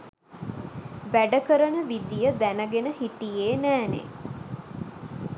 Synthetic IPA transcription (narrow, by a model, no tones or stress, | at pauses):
ʋæɖəkəɾənəʋid̪ijəd̪ænəɡenəhiʈijeːnæːnḛ